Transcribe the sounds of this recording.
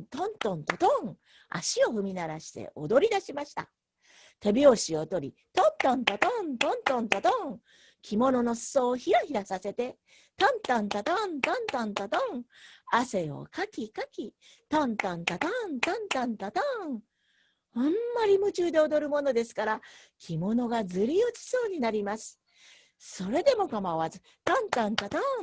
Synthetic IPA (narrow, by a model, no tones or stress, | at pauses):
t̪õnt̪õnt̪ot̪õŋ | a̰ɕio̞ɸɯ̟mʲinaɾaɕi̥t̪e̞̰ʔod̪o̞ɾʲid̪aɕimaɕi̥t̪a̰ | t̪ebʲioɕiot̪o̞ɾʲi | t̪õnt̪ãnt̪ot̪õnt̪õnt̪õnt̪ot̪õŋ | kʲʰimo̞no̞no̞sɨ̥soːçiɾaçiɾasase̞t̪e̞ | t̪ãnt̪ãnt̪at̪ãnt̪ãnt̪ãnt̪at̪õŋase̞o̞̰kakʲikakʲi | t̪ãnt̪ãnt̪at̪ãnt̪ãnt̪ãnt̪at̪a | amːaɾʲimɯ̟t͡ɕɨːd̪e̞od̪o̞ɾɯ̟mo̞no̞d̪e̞sɨ̥kaɾa | kʲʰimo̞no̞ɡazɨɾʲiot͡ɕi̥so̞ːɲ̟inaɾʲimasɨ̥ | so̞ɾe̞d̪e̞mo̞kamaβazɨ | t̪ãnt̪ãnt̪at̪ã